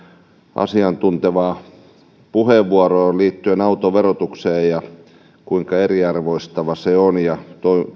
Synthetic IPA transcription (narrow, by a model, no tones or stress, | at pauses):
ʔɑ̰siɑnt̪unt̪eʋɑː | puheʋʋuɑroːliːt̪ːyenɑut̪oʋerot̪ukseːjjɑ | kuiŋkɑeriɑrʋoist̪ɑʋɑseonjɑt̪oi